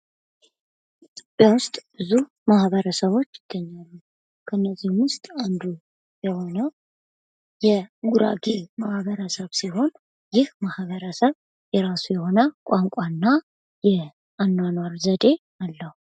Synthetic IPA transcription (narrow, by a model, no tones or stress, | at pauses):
it̪jopʼjawʊst̪ʼbɨzu | mahβəɾəsəβo̞t͡ʃːjɪɡ̥ːəɲːalːu | kʰənːəzːihmwʊst̪ʼand̪u | jɛho̞nə | jɛɡuɾa̰ɡemahβəɾəsəβsiɦo̞n | jɪhmahβəɾəsəβ | jɛɾasujɛho̞nəkʼaŋkʷʼanːa | jɛ | anːwanwaɾzəd̪ʼe̞ | alːəhu